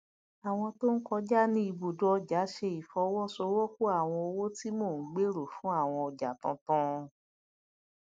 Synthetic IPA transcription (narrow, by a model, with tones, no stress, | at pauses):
a˨w̃ɔ̃˧to˦n̩˦kɔ˧˦d͡ʒa˦nĩ˦i˧bu˨dɔ˨˦ɔ˧d͡ʒa˨˦ʃe˧i˨fɔ˧˦wɔ˦so˧˦wɔ˦ku˦a˦˨w̃ɔ̃˧o˧wo˦ti˦mo˦˨˦ɡ͡be˦ɾo˨fũ˦a˦˨w̃ɔ̃˧ɔ˧d͡ʒa˨tɔ̃˧tɔ̃˦˧